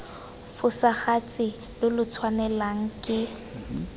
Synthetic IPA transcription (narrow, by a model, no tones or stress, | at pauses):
fʊsaχat͡sʼɪ | lɪlʊt͡sʰwanɛlaŋ̩kʼɪ